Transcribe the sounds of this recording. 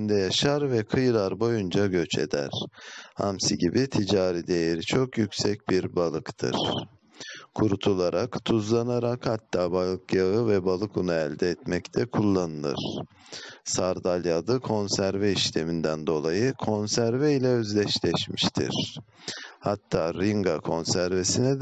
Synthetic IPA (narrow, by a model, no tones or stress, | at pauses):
nd̪ɛjaʃaɾvɛkʰɯjɯlˠaɾbo̞jund͡ʒaɟø̞t͡ʃʰḛd̪æ̰ɾ̥ha̰msiɟibit̪ʰid͡ʒaːɾid̪ejeɾit͡ʃʰo̞kjycʲsɛc̚biɾbalˠɯkt̪ʰɯ̰ɾ̥ | kʰuɾut̪ʰulˠaɾakt̪ʰuzlˠanaɾakhat̪ːaːbalˠɯkjaɯvɛbalˠɯkʰunaælʲd̪ɛːt̪mɛct̪ʰɛkʰulˠːanɯlˠɯ̰ɾ̥ | saɾd̪alʲjad̪ɯkʰo̞nsæɾvɛiʃlʲemind̪ænd̪o̞lˠajɯkʰo̞nsæɾvɛilʲɛøzlʲɛʃlʲɛʃmiʃt̪ʰḭɾ̥ | hat̪ʰːaːɾiŋɡakʰo̞nsæɾvesinɛ